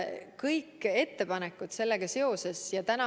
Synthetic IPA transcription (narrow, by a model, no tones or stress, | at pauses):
kɤjkːe̞t̪ːe̞pɑnekːˑut̪se̞lːe̞ɡ̥ɑse̞o̞se̞sjɑt̪ænɑ